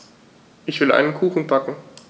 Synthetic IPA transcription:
ʔɪçv̥ɪlʔa̰ɪnənkʰuːxn̩pakŋ̩

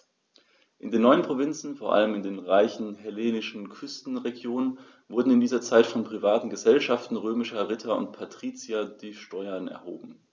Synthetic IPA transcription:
ʔɪndeːnːɔʏənpʁ̥ovɪnt͡sn̩foːɐʔa̰ləmɪndeːnʁaɪçn̩ɦɛleːnɪʃn̩kʰʏstn̩ʁeɡjoːnən | vʊɐdn̩ɪndiːzɐt͡saɪtfɔnpʁ̥ivaːtn̩ɡəzɛlʃaftn̩ʁøːmɪʃɐʁɪtʰɐʊ̰ntpʰatʁ̥iːt͡sjadiːʃtɔʏɐnɛ̰ɐho̰ːbm̩

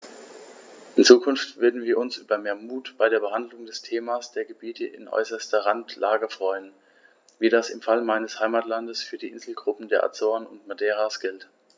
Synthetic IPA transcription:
ʔɪnt͡suːkʰʊnftv̥ʏɐdn̩viːɐʊnsʔyːbɐmeːɐmuːtb̥aɪdeːɐbəhandlʊŋdɛstʰeːmaːsd̥eːɐɡəbiːtʰəɪ̰nʔɔ̰ʏsɐstɐʁantlaːɡəfʁ̥ɔʏən | viːɾasɪmfalmaɪnəshaɪmaːtlandəsfyːɐdiːʔɪnzl̩ɡʁʊpm̩deːɐʔa̰t͡soːɐnʊntmadɛːʁasɡ̥ɪlt

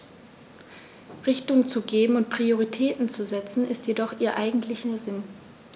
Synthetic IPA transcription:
ʁɪçtʊŋt͡suɡeːbm̩ʊnt̚pʁ̥ioʁitʰɛːtn̩t͡suzɛt͡sn̩ɪstjedɔχʔiːɐʔaɪɡŋ̩tʰlɪçɐzɪn

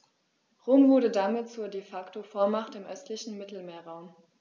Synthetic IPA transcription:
ʁoːmvʊɐɾədamɪt̚t͡suːɐdefaktofoːɐmaχtɪmʔœstʰlɪçn̩mɪtl̩meːɐʁaʊm

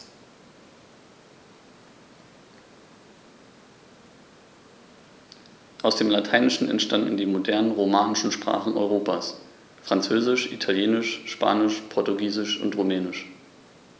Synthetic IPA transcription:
ʔaʊsd̥eːmlatʰaɪnɪʃn̩ɛ̰ntʃtandn̩diːmodɛɐnənʁomaːnɪʃn̩ʃpʁ̥a̰ːχn̩ʔɔ̰ʏʁ̞oːpʰaːs | fʁ̥ant͡søːzɪʃʔḭtʰaljeːnɪʃʃpa̰ːnɪʃpʰɔɐtuɡiːzɪʃʊ̰ntʁomɛːnɪʃ

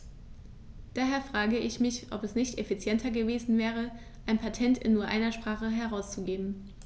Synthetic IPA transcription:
d̥aːɦɛːɐfʁ̥aːɡəɪçmɪçʔɔpɛsnɪçtefit͡sjɛntʰɐɡəveːzn̩vɛːʁə | ʔaɪnpʰatʰɛntɪ̰nːuːɐʔa̰ɪnɐʃpʁ̥aːχəɦɛɐʁaʊst͡suɡeːbm̩

